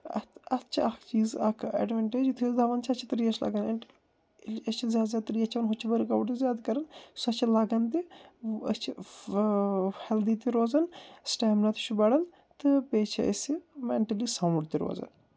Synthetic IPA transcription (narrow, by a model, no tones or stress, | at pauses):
ɐ̰ɐt͡ʃʰɐt͡ʃiːzɐkʰɐ̰ɖʋɐɳʈeːd͡ʒt̪ʰizd̪ʱɐʋɐnt͡ʃʰɐt͡ʃʰit̪ɐɾiːɐt͡ʃʰla̰ɡɐneɳ | ɐt͡ʃʰizjaːd̪zʲaːt̪ɾiːɐt͡ʃʰɐnɦʊt͡ʃʰibɐɾkɐʋɖt̪izjaːd̪kɐɾɐnsɐt͡ʃʰilaɡɐnt̪iɐt͡ʃʰi | hɛld̪iːt̪iɾoːzɐnsʈaːmnɐt̪ʰut͡ʃʰubɐɽɐn | t̪ɨpeːt͡ʃʰɐɐ̰simeɳʈɐlisɐwɖt̪iɾo̰ːzɐ̰n